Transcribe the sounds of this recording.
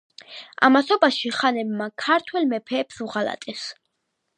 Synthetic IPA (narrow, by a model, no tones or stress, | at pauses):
a̰masɔbaʃiχanɛbmakʰaɾt̪ʰwɛlmɛpʰɛːpsuʁala̰t̪ʼɛs